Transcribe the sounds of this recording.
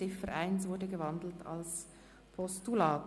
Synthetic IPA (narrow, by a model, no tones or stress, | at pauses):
ɪffəɾʔaɪnsvʊɾdəɡəvɑndl̩tʰa̰ls | pʰɔstulaːt